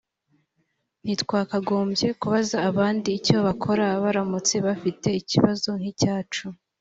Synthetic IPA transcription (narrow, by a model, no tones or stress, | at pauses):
n̥hitkwaːkaɡoːmbje̞kuβazaːβaːndiːco̞βakʰo̞ɾaβaɾamut͡se̞βafite̞iciβazo̞ŋ̥hicaːt͡ʃu